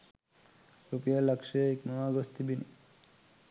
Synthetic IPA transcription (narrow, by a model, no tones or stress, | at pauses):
ɾupijalakʃeeknɔaɡost̪ibinḭ